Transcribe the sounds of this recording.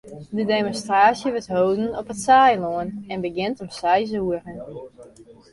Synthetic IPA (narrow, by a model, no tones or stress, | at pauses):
dədemonstraːsjəʋətɦowdən̩ɔpətsajloənɛnbəɡɪntɔmsɛjz̬uərən